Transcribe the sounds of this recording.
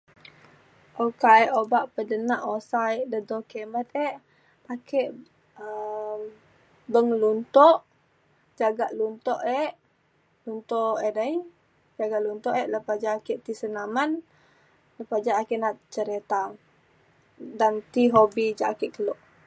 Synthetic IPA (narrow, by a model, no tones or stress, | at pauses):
ʔokaɛʔobaʔpədənaʔosaɛʔdədokemət̪̚ɛʔ | akʰeʔ | əm | bəŋlunt̪ɔʔ | d͡ʒaɡaʔlunt̪ɔʔɛʔ | lunt̪ɔʔedəj | d͡ʒaɡaʔlunt̪ɔʔɛʔləpad͡ʒaːkɛʔt̪isənaman | ləpad͡ʒaːkɛʔnaʔt͡ʃəɾet̪aŋ | dant̪iɦobid͡ʒaʔakɛʔkəlɔʔ